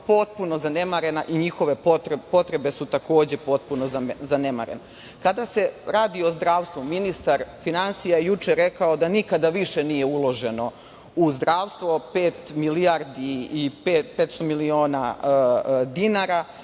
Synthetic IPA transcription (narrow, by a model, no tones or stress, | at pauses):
po̞t̪̚puno̞zane̞maɾe̞naʔiɲixo̞ʋe̞pot̪ɾpo̞t̪ɾe̞be̞sut̪ako̞ːd͡ʑe̞po̞t̪̚punozanema̰ɾḛna | kad̪ase̞ɾaːd̪io̞zd̪ɾaːʋst̪ʋuminist̪aɾfinansijajejut͡ʂeɾe̞kao̞d̪anikad̪aʋiʃenije̞ulˠo̞ʒe̞no̞ | uzd̪ɾaːʋst̪ʋo̞peːt̪milijaɾd̪iːpepet̪st̪o̞milio̞ːna | d̪inaɾa